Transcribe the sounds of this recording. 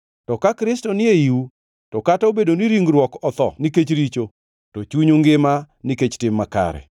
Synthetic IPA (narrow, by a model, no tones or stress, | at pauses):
tɔkakɾɪstɔnɪeiu | tɔkataobedoniɾiŋɡɾwɔkɔt̪ɔ̰niket͡ʃɾit͡ʃo | tot͡ʃuɲuŋɡɪma | niket͡ʃtɪmːaka̰ɾɛ̰